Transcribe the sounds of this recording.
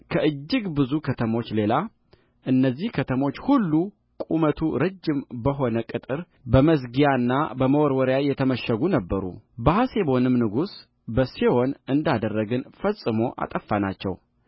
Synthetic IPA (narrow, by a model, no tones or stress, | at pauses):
kʰəʔɨd͡ʒːɨɡbɨzukʰət̪ʰəmo̞t͡ʃːle̞la | ʔɨnːəzːihkʰət̪ʰəmo̞t͡ʃːhulːu | kʼumət̪ʰuɾəd͡ʒːɪmbəɦo̞nəkʼɨt̪ʼɨɾ | bəməsɡijanːa̰bəməwɔɾwɔɾjajɛt̪ʰəməʃəɡunəbːəɾṵbəhasebo̞nɨmnɨɡus | bəsewo̞nɨnd̪ad̪ərːəɡɨnfəsʼɨmo̞ʔa̰t̪ʼəfːanat͡ʃːɛ̰w